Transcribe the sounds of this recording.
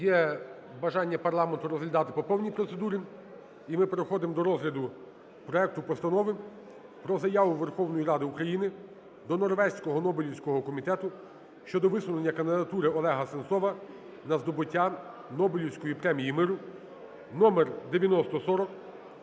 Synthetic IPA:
jɛ | bɐʒɑnʲːɐpɐrlˠɑment̪ʊɾɔzɦlʲɐd̪ɑt̪ɪ̥pɔpɔwnʲijpɾɔt̪sed̪uɾʲi | imɪpeɾexɔd̪ɪmd̪ɔɾɔzɦlʲɐd̪ʊ | pɾɔɛk̚t̪ʊpɔst̪ɐnɔʋɪ | pɾɔzɐjaʋʊʋerxɔwnɔjiɾɑd̪ɪukɾɐjinɪ | d̪ɔnɔrʋɛsʲkɔɦɔnɔbɪlʲiwsʲkɔɦɔkɔmʲit̪ɛt̪ʊ | ʃt͡ʃɔd̪ɔʋɪsʊnenʲːɐkɐnd̪ɪd̪ɐt̪uɾɪɔlˠɛɦɐsent̪sɔʋɐ | nɐzd̪ɔbʊtʲːa | nɔbɪlʲiwsʲkɔjipɾɛmʲijimɪɾʊ | nɔmerd̪eʋʲjɐnɔst̪ɔsɔɾɔk

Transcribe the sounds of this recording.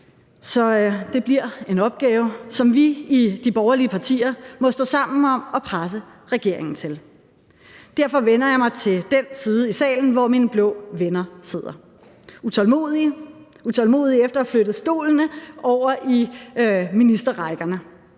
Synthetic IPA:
sɒ̽d̥e̝b̥liɐ̰e̝nɒ̽b̥̚ɡ̥ɛːʊsɒ̽mʋiid̥ib̥ɒʊɐliəpʰɑ̈t͡sʰḭːɐmɒ̽sd̥ɔ̰̽ːsɑ̈m̰n̩ɒ̽mɒ̽pʰʁas̬əʁɛɡ̥e̝ɐ̰e̝ŋn̩t͡sʰe̝l | d̥æɐfɒ̽ʋenɐjɑ̈ɪmɑ̈ɪt͡sʰe̝ld̥ensiːð̞ˠəisɛ̰ːln̩ʋɒminəb̥lɔ̰ːʋenɐse̝ð̰ˠɐ | ut͡sʰɒlmoðˠi | ut͡sʰɒ̽lmo̝̰ːðˠiefd̥ɐflød̥ð̩ˠsd̥o̝̰ːln̩əɒʊ̰ɐʔi | minisd̥ɐʁɑ̈ɪɡ̥ɐnə

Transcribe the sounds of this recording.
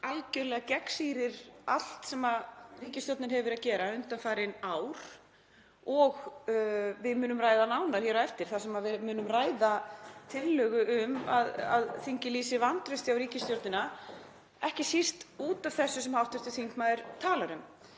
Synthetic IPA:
alcʏɾlɛːɣacɛksiːɾɪɾ̥al̥t̪sɛmaðriːcɪst̪jowɾt̪nɪnhɛvɪɾaðcɛːɾaʏnt̪anfaːjɾɪnaːwɾ̥ | ɔɣ | vɪðmʏːnʏmraːjðanaːwnaɾ̥hjɛːɾaɛft̪ɪɾ̥θasɛmavɪmʏːnʏmraːjðat̪ʰɪlːœːɣʏʔʏmaða̰ðθiɲcɪliːsɪvant̪ɾʏst̪ɪawɾiːcɪst̪jowɾt̪nɪna | ɛhcɪsir̥t̪uːt̪av̥θɛsːʏsɛmhawht̪ʏɾ̥t̪ɪθiŋkmaðɪɾ̥t̪ʰaːlaɾʏm

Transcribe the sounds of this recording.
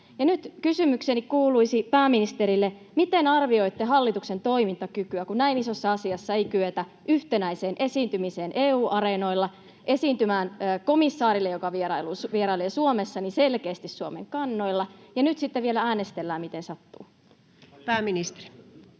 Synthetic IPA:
jɑnyt̪kysymyksenikkuːluisipæːminist̪eɾilːe | mit̪enɑrʋio̞it̪ːeɦɑlːit̪uksent̪oimint̪ɑkykyækunnæinisosːɑɑsiɑsːɑeijkyøt̪æ | ʔyht̪enæiseːnʔesiːnt̪ymiseːnʔeːuːʔɑreno̞ilːɑ | ʔesiːnt̪ymæːnːkomisːɑːɾilːejokɑʋieɾɑiluːsʋieɾɑileːsuomesːɑniselkeːst̪issuomḛŋkɑnːo̞ilːɑjɑnyt̪sit̪ːeʋielææːnest̪elːæːmit̪ensɑt̪ːṵː | pæːminist̪e̥ri̥

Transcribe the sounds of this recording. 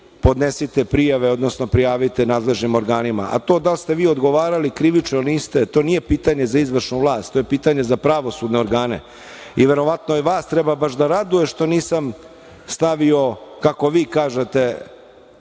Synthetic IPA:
po̞d̪nesit̪epɾijaʋeo̞d̪no̞snopɾijaːʋit̪enaːd̪le̞ʒnimo̞ɾɡaːnima̰ʔa̰t̪o̞ːd̪alst̪e̞ʋiːo̞d̪ɡo̞ʋaːɾalikɾiʋit͡ʂnoniːst̪et̪o̞ːnijepiːt̪aɲe̞zaizʋr̩ʃnuʋlˠaːst̪ojepiːt̪aɲe̞zapɾaʋo̞sud̪neo̞ɾɡaːnḛ | iʋe̞ɾo̞ʋat̪noiʋaːst̪ɾebabaʃd̪aɾad̪uje̞ʃt̪o̞niːsam | st̪aʋio̞kako̞ʋiːkaːʒet̪e̞

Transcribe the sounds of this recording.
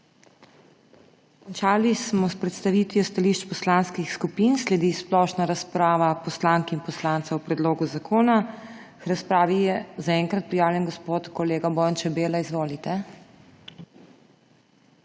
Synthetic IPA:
kɔnt͡ʃaːlismɔspɾɛt̪st̪aʋit̪ʋiɔst̪aliʃt͡ʃpɔslaːnskixskupinslɛd̪isplɔʃnaɾaspɾaːʋapɔslaŋkɛinpɔslaːnt̪sɛwpɾɛd̪loːɡuzakʰoːna | kɾaspɾaːʋijɛzaɛŋkɾat̪̚pɾijaːwljɛnɡɔspot̪kɔleːɡabɔːjant͡ʃɛbeːlaizʋoːlit̪ɛ

